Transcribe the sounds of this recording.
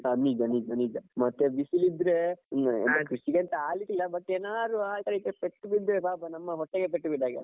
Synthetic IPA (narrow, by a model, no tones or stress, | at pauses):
ɐnid͡ʒɐnid͡ʒɐnid͡ʒɐmɐt̪ːeʋisilid̪ɾeḛnt̪ɐkɾiʂiɡeɐnt̪ɐaːliʈːilːɐbɐʈːeːnaːd̪uaːlt̪ɐɾekːepeʈːubid̪ɾebaːbɐnɐmːɐɦɔʈːeɡep̬eʈːubiɖ̪aːɡe